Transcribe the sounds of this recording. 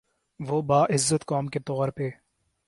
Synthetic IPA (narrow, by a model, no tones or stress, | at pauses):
ʋobaːʔɪzːət̪kɔːmket̪ɔːɾpeː